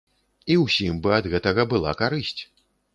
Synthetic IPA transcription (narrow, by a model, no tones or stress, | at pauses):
iwsʲimbɨɐd̪ɣɛt̪ɐɣɐbɨlˠa̰kaɾɨsʲt͡sʲ